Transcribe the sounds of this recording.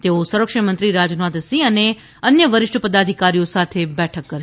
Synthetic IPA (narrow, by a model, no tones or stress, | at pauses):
t̪eosəɾəkʂəmənt̪ɾiɾad͡ʒnat̪siəne | ənjəʋəɾɪʃʈʰəpəd̪ad̪ʱikaɾijosat̪ʰebɛʈʰəkːəɾ